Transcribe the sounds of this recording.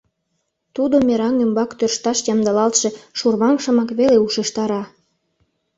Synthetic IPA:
t̪ud̪omeɾɑŋymbɑkt̪ørʃt̪ɑʃjɑmd̪ɑlɑlt̪ʃe̽ʃurmɑŋʃə̆mɑkβeleuʃəʃt̪ɑɾɑ

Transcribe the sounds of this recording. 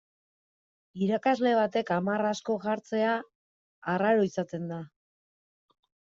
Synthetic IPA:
iɾakazle̞β̞at̪e̞kamarasko̞ɣaɾt͡se̞aː | raɾo̞isat̪e̞nd̪a

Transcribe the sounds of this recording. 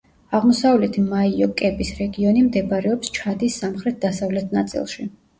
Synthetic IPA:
aʁmɔsavlɛt̪ʰimaiɔkʼɛbisɾɛɡiɔnimd̪ɛbaɾɛɔpst͡ʃʰad̪isːamχɾɛt̪̚d̪asavlɛt̪ʰnat̪sʼḭlˠʃi

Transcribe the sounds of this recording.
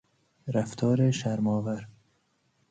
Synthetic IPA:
ɾaft̪ʰɒːɾeʃaɾmɒːvaɾ

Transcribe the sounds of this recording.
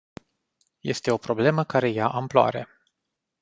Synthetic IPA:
je̞st̪e̞o̞pɾo̞ble̞məkaɾe̞jaʔamploa̰ɾe̞̰

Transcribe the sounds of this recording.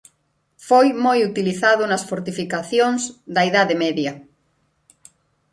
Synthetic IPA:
fojmojut̪iliθaðʊnɐsfoɾt̪ifikaθjoŋzd̪ɐiðaðemɛðjɐ

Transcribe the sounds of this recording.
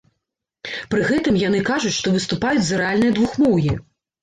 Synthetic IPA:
pɾɨɣɛt̪ɨmjanɨkaʐut͡sʲʂt̪ɔvɨst̪upajut͡sʲzɐɾɛalʲnɨjɐd̪vuxmɔwji

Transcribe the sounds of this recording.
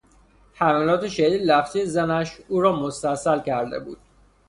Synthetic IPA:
hæmælɒːt̪ʰe̞ʃeiːd̪læfzijezænæʃuːɾɒːmost̪æsælcʰæɾd̪e̞̰bṵːd̪̥

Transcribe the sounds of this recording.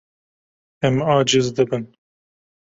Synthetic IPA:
ɛmɑːd͡ʒɪzd̪ɨbɨn

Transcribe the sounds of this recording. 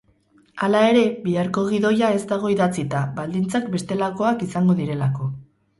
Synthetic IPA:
alae̞ɾe̞βiaɾko̞ɣ̞iðo̞jae̞zt̪aɣ̞o̞iðat͡sit̪aβald̪int͡sakbe̞st̪e̞lako̞akisaŋɡo̞ðiɾe̞lako̞

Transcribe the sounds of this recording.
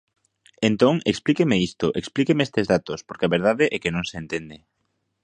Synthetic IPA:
ent̪õŋḛksplikemeist̪oʔeksplikemeest̪ezðat̪ospoɾkeaβeɾð̞aðeʔɛkenõŋseːnt̪end̪e

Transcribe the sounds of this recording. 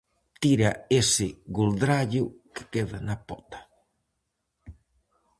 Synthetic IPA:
t̪iɾaesɪɣuld̪ɾaʎʊkɪ̥keðanapɔt̪ḁ

